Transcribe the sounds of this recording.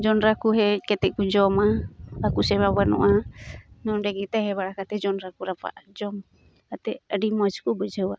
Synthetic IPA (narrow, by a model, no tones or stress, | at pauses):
d͡ʒɔnɾakuɦɛkɛt̪ɛkud͡ʒɔmaakusɛmabanṵʔanɔndɛɡit̪ahɛbaɾakat̪ɛd͡ʒɔnɾakuɾapa̰ʔd͡ʒɔm | kat̪ɛadimɔt͡ʃkubud͡ʒawa